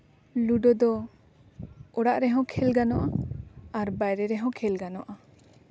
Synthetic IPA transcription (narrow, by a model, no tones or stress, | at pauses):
luɖɔd̪ɔ | ɔɽaʔɾɛɦɔ̃kʰɛlɡanɔʔaaɾbajɾɛɾɛɦɔ̃kʰɛlɡanɔʔa